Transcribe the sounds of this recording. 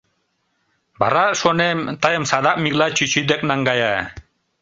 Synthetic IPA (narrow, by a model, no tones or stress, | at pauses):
baɾaʃonemt̪ajəmsad̪aʔ̚ʼmiɡlat͡ɕit͡ɕyd̪ek̚ʼnaŋɡaja